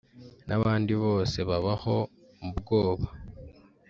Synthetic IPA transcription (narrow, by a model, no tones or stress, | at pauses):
nʔaβaːndiβo̞ːse̞βaβaho̞ | mubɡo̞ːβa